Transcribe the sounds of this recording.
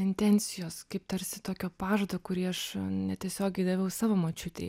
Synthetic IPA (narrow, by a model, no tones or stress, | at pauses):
ɪnʲt̪ʲɛnʲt͡ssʲɪjoːskɐɪp̚t̪ɐɾʲsʲɪt̪oːkʲoːpɑːʒoːd̪oːkʊɾʲiːɐʃnʲɛt̪ʲiɛsʲoːɡʲɛɪd̪ɐʋʲɐʊsɑːʋoːmoːt͡ʃʲʊt̪ʲɛ̰ɪ